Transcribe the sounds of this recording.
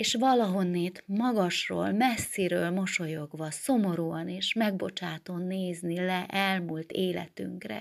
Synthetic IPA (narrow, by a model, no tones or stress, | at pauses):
eːʃʋɒlɒɦo̞nːeːt̪mɒɡɒʃro̰ːlmɛsːiɾøːlmo̞ʃo̞jo̞ɡʋɒso̞mo̞ɾuːɒneːʃmɛɡ̚bo̞t͡ʃaːt̪onːeːznilɛʔɛlmult̪eːlɛ̰t̪y̰ŋkrɛ̰